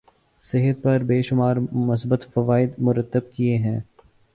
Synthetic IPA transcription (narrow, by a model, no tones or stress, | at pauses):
sɪɦət̪̚pɐɾbeːʃʊmaːɾmʊs̬bət̪fɐʋaːɪd̪mʊɾət̪ːəb̚kieɦɛ̃ː